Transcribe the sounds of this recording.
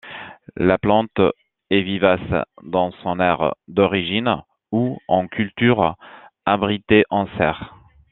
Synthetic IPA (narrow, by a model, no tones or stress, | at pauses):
laplɑ̃t̪ | ɛvivasd̪ɑ̃sɔ̃nɛʁd̪ɔʁiʒin | uɑ̃kʰʲylt̪yʁabʁit̪eʔɑ̃sɛʁ